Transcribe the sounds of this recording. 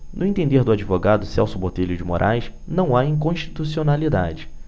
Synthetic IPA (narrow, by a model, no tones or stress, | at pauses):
nʊẽt̪ẽnd̪eɾd̪ʊad͡ʒivoɡad̪ʊsɛwsʊbot̪eʎʊd͡ʒɪmoɾʔajsnɐ̃w̃aĩkõʃt͡ʃi̥t̪usionalid̪a̰d͡ʒɪ